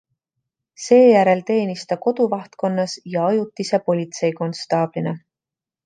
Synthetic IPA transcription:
se̞ːjæɾe̞lt̪e̞ːnist̪ɑko̞d̪̥uvɑht̪ko̞nːɑsjɑɑjut̪ːˑisepo̞lʲit̪se̞jko̞nst̪ɑːb̥line

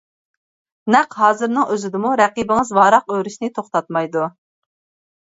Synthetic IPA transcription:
nɛqɦɑːzɨɾnɨŋøzɪd̪ɪmuɾɛqibɪŋɨzwɑːɾɑqøwɾyʃnɪt̪ʰoχt̪ɑt̪mɑjd̪u

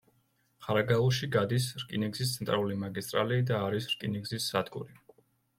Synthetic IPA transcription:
χaɾaɡaluʃiɡad̪isɾkʼiniɡzis̬t̪sʰɛnt̪ʼʔalulimaɡist̪ʼɾa̰liːd̪aːɾisɾkʼiniɡzisːad̪̥ɡṵɾi

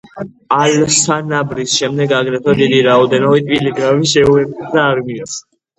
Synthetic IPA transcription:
alsanabɾisʃɛmd̪ɛɡaɡɾɛt̪ʰad̪id̪iɾaɔd̪ɛnɔbit̪ʼviliɡɾamiʃɛuɛt̪ʼid̪aːɾminas

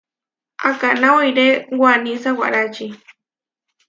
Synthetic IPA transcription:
akanawajɾewanisawa̰ʔɾat͡ʃi

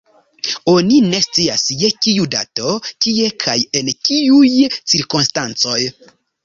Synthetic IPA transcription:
o̞nine̞st͡siasjekijuda̰to̞kiekʰajent͡ʃiujt͡siɾkonstant͡so̞j

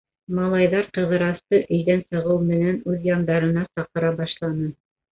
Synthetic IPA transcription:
mɑlˠɑjðɑɾqɤ̆ðɤ̆ɾɑst̪ɤʔɵ̆jðænsɤ̆ʁɤwmɘ̆nænʉðjɑnd̪ɑɾɤ̆nɑsɑqɤ̆ɾɑbɑʃlˠɑnɤ

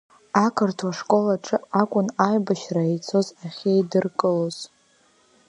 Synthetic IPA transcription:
akʰɨrtʰwaʂkʷʼo̞laʈ͡ʂʼɨakʷʼʊnajbaʃraet͡sʰo̞zaχʲejdɨrkʼɨloz̥

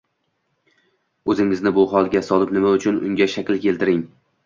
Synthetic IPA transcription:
ɵzɪŋɪznɪbʊɦɒlˠɡʲasɒlɪpnɪmaʊt͡ʃʰʊnʊ̰ŋɡʲaʃakʲlkʲʰe̞lt̪ɪɾɪŋ

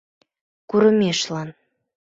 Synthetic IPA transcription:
kuɾə̆meʃlɑn

